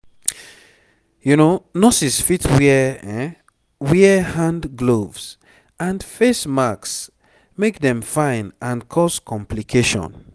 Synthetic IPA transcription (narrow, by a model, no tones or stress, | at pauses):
junonɔsisfitʰwɛɛ | wɛhãndɡlovs | ãnfesmaks | mekdɛ̃mfãɪ̃nãnkʰɔskʰɔ̃mplikʰeʃɔ̰̃n